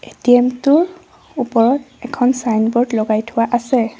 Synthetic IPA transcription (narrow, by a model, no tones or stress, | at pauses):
etiɛmtʊɹ | upɔɹɔt | ɛkʰɔnsajnbɔɹdlɔɡajtʰʊwaʔasɛ